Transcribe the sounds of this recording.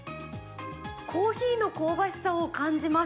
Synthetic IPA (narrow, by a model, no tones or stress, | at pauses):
kʰoːçiːno̞koːbaɕi̥saokãɲd͡ʑima